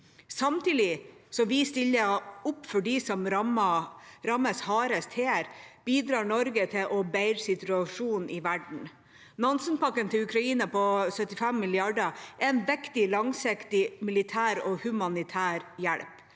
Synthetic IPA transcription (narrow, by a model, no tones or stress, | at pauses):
sɑmt̪iːd̪ɪsɔmʋɪst̪ɪlːəʊpːfɔɖisɔmɾm | ɾɑməshɑːɾəst̪ʰheːæɾb̥iːd̪ɾɑːɳɔɾɡət̪ʰɪʔɔbæɪɾsɪt̪ʉɑʂuːnʔɪʋæɖɳ̩ | nɑnsənpʰɑkːənt̪ʰɪlʉkʰɾɑiːnəpɔsœt̪ːɪfɛmːɪlɪɑɖəʔɛnʋɛkt̪ɪlɑŋsɪkt̪ɪmɪlɪt̪ʰæːɾɔːhʉmɑnɪt̪ʰæːɾjæɽp